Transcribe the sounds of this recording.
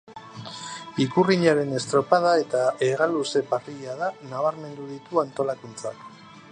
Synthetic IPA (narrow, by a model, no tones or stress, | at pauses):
ikuriɲaɾe̞ne̞st̪ɾo̞pað̞ae̞t̪aeɣaluse̞pariʎaðanaβ̞aɾme̞nd̪uðit̪uant̪o̞lakunt͡sak